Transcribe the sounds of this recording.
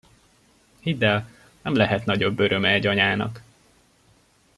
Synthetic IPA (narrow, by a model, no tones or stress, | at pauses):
hid̪ːɛl | nɛmlɛɦɛt̪nɒɟo̞bːøɾʔø̞mɛɛɟɒɲaːnɒ̰k